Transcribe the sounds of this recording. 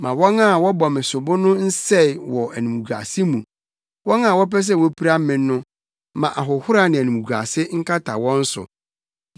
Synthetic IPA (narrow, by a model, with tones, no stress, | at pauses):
mã˨wɔ˦na˦˨wɔ˦bɔ˨mɪ̃˨sʊ˨bʊ˦nʊ̃˦n̩˦sɛ˦˨wɔ˨æ˨nũ˨mu˨ɡa̰˨sɪ˦mũ˨ | wɔ̃˦ŋã˦˨wɔ˦pɛ˦s̬ɛ˦˨wɔ˦pʰi˦ɾa˦m˦mɪ̃ː˨˦ʊ̃˦ | mã˨ʔa˨ɦʊ˨hʊ˦ɾa˨nɪ̃˨æ˨nũ˨mu˨ɡa̰˨sɪ˦ŋ̩˦kʰa˦tʰa̰˨wɔ̃˦n̩˦sʊ̰˨